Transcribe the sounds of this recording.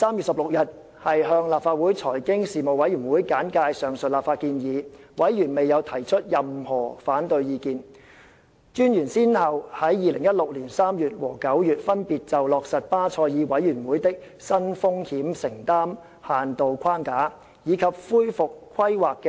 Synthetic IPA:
saː˥mjyː˨t̚sɐ˨p̚lʊ˨k̚jɐ˨t̚ | hɐ˨jɦœː˧ŋlaː˨p̚faː˧t̚wuː˨˥jt͡sʰɔː˨˩jkɪ˥ŋsiː˨mo˨wɐ˨˥jɥyː˨˩nwuː˨˥jkaː˨˥nkaː˧jsœː˨˩ŋsɵ˨t̚laː˨˩pfaː˧t̚kiː˧njiː˨˧wɐ˨˥jjyː˨˩nme˨jɐ˨˧wt̪ʰɐ˨˩jt͡ʃʰɵ˥t̚jɐ˨mhɔː˨˩faː˨˥nt̪ɵ˧ɥjiː˧kiː˨˧n | t͡ʃyː˥njyː˨˩nsiː˥nhɐ˨whɐ˨˥jːiː˨˧lɪ˨˩ŋjɐ˥t̚lʊ˨k̚li˨˩nsaː˥mjyː˨˩t̚wɔ̰ː˨˩kɐ˨˥wjyː˨t̚fɐ˥npiː˨t̚t͡sɐ˨wlɔː˨k̚sɐ˨t̚paː˥t͡sʰɔː˧jiː˨˧wɐ˨˥jy˨˩nwuː˨˥jt̪ɪ˥k̚ | sɐ˥nfʊ˥ŋhiː˨˥msɪ˨˩ŋt̪aː˥m | haː˨nt̪o˨wkʰaː˥ŋkaː˨˥ | jiː˨˧kʰɐ˨p̚fuː˥jfʊ˨kːʰwɐ˥jwaː˨kːɛ

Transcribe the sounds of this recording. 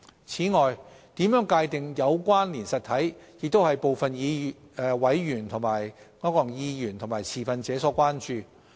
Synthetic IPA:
t͡sʰiː˨˥ŋɔː˨jt̪iː˨˥mjœː˨˥ŋkaː˧jt̪ɪ˨ŋjɐ˨˧wkʷaː˥nliː˨˩nsɐ˨t̪̚ʰɐ˨˥jjɪ˨k̚t̪o˥whɐ˨jpo˨wfɐ˨njiː˨˧˨ | wɐ˨˥jːyː˨˩nt̪ʰʊ˨˩ŋmaː˨˩jkɔː˨˥kɔː˨˩ŋjiː˧jyː˨˩nt̪ʰʊ˨˩maː˨˩jt͡sʰiː˨˩fɐ˨nt͡sɛː˨˥sɔː˨˥kʷaː˥nt͡ʃyː˨

